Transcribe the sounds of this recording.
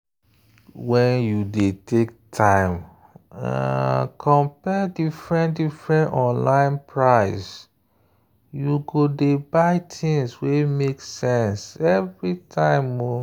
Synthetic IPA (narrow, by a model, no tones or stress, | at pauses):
wɛ̃njudetʰektʰãɪ̃m | a̰kʰɔ̃mpɛdifɹɛ̃ndifɹɛ̃ntɔ̃nlãɪ̃npʰɹaɪs | juɡodebaɪtʰĩŋswemeksɛ̃nsɛvɹitʰãɪ̃mːɔ